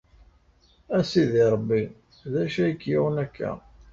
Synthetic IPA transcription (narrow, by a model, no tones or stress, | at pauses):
æsiðiɾˤəbːi | ðæʃæjəkːjiwənækːæ̰